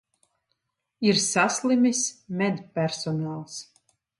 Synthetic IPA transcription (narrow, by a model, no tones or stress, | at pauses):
iɾsaslˠimʲismʲɛd̪pʲæɾsɔnaːlˠs